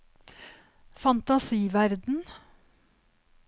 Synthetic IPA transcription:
fɑnt̪ɑsiːʋæɾd̪n̩

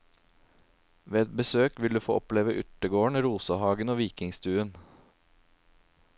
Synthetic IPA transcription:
ʋeːɛt̪̚bəsøːkʋɪld̪ʉːfoːʔɔpleːʋəʔʏʈ̪əɡoːəɳɾuːsəhɑːɡənoːʋiːkɪŋst̪ʉːən

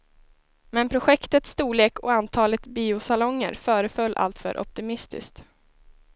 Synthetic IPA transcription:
mɛnpʰɾʊɧɛkt̪ət̪st̪uːɭeːkʰɔ̰ant̪ʰɑːlət̪biːʊsalɔŋːə̰ɾfœːɾəfœlːʔa̰lt̪fœ̰ːɾʔɔ̰p̚t̪ɪmɪst̪ɪ̰skt̪

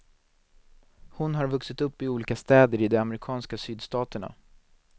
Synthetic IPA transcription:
hʊnɦaɾvɵksɪt̪ɵpːɪuːliːkast̪ɛːd̪əɾɪd̪ɛamɾɪkʰɑːnskasyːd̪st̪ɑːt̪əɳa̰

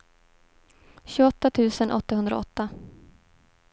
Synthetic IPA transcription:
ɕɵɡɔt̪ːat̪ʰʉ̟ːsənʔɔ̰t̪ːahɵnd̪ɾa̰ɔ̰t̪ːa

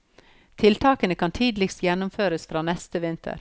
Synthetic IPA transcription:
t̪ʰɪlt̪ʰɑːkənəkʰɑnt̪ʰiːd̪lɪkst̪jɛnʊmføːɾəsfɾɑːnɛst̪əʋɪnt̪ʰə̰ɾ

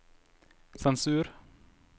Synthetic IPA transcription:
sɛnsʉːɾ

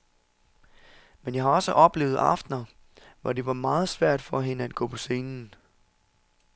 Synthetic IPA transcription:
menjɑ̈hɑ̈ɒ̽səʔɒ̽b̥le̝̰ːʊð̩ˠɑ̈fd̥nɐ | ʋɒ̰de̝ʋɑ̈mɑ̈ːð̞̩ˠsʋæɐ̰d̥fɒ̽ɦe̝nəæd̥̚ɡ̥ɔ̰ːpʰɒ̽se̝ːnn̩

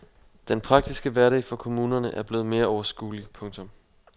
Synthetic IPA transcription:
d̥enpʰʁɑ̈ɡ̥̚d̥isɡ̥əʋæɐɾɛ̰ɪfɒ̽kʰo̝muːnɐnəʔæɐb̥le̝ːð̩ˠme̝ːɐɒʊɐsɡ̥ṵːlipʰɔ̽ŋt͡sʰɔ̽m

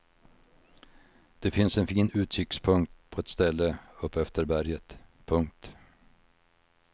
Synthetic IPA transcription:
d̪̥ɛfɪnsɛnfiːnʉ̟ːt̪ʰɾʏkspʰɵŋk̚t̪pʰɔɛt̪st̪ɛlːəɵpːɛft̪əɾbæɾjət̪pʰɵŋk̚t̪

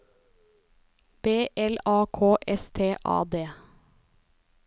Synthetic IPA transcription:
b̥eːʔɛlɑːkʰoːʔɛst̪ʰeːʔɑ̰ːd̪eː

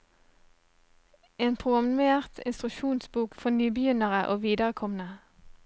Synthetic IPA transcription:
eːnpʰʁʊɡɑmmeːʁt̪ʰɪ̰nst̪ʁʉʃuːnsbuːkfɔnyːbəjʏnəʁəʔoːʋiːd̪əʁəkʰɔmən̩ə

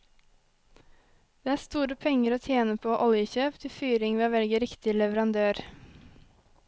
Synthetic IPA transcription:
d̪̥eːæːst̪uːɾəpʰɛŋəɾoːt̪ʰjeːnəpʰoːʔɔljəçøːpt̪ʰɪfyːɾɪŋʋiːɑʋɛlɡəɾɪkt̪ɪlɛʋəɾɑnd̪øːɾ

